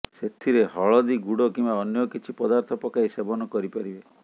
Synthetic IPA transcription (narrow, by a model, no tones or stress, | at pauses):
set̪ʰiɾeɦɔɭɔd̪iɡuɽɔkimbaɔnjɔkit͡ʃʰipɔd̪aɾt̪ʰɔpɔkaisebɔnɔkɔɾipaɾibe